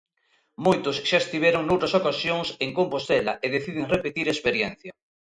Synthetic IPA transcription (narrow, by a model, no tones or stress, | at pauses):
mojt̪ʊsʃaest̪iβjɛɾoŋnowt̪ɾɐsokasjoŋseŋkompost̪elɐ̰ʔeðeθiðɪŋrepet̪iɾespeɾjɛn̟θjɐ